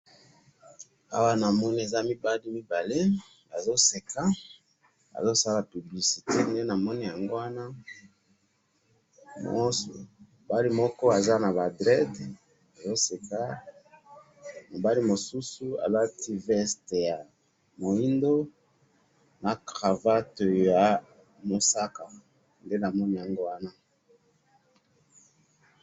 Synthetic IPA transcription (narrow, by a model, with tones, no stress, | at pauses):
a̰˦wa˦na˨mɔ˦ni˦e˨za˦mi˦ba˦li˦mi˦ba˨le˦ | a˨zo˦se˨ka˦ | a̰˨zo˦sa˦la˨py˨bli˨si˨te˦ne˦na˨mɔ˦ni˦ja˨ŋɡo˦wa˦na˦ | m̰˦˨ | o˨ba˦li˦mɔ˦kɔ˦a˨za˦na˨ba˨dʁɛ˦d | jo˦se˨ka˦ | mo˨ba˦li˦mo˨su˦su˦a̰˨la˦tʰi˦vɛ˦ste˨ja˨ | mo˨i˦ndo˦ | na˨kʁa˨va˦to˨ja˨ | mo˨sa˦ka˨ | nde˦na˨mɔ˦ni˦˨ja˨ŋɡo˦wa˦na˦